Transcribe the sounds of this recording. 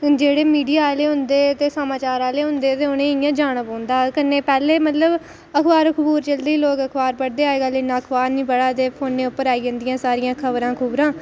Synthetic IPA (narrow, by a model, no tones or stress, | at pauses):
d͡ʒeːɽeːmiːɖijaːleːɦʊ̃nd̪eːt̪eːsəmaːt͡ʃaːɾaːleːɦʊnd̪eːt̪eːʊnẽːɪjãːd͡ʒaːɽ̃əpõːnd̪aːkənːeːpɛːleːmət̪ləb | əkʰbaːɾkʰəbuːɾt͡ʃəld̪iːiːloːkəkʰbaːɾpəɽd̪eːaːeːɡaːleːnãːəkʰbaːɾnĩːpəɽaːt̪eːpʰoːnːẽːʊpːəɾaːiːd͡ʒə̃nd̪ɪjãːsaːɾɪjãːkʰəbɾãːkʰʊbɾãː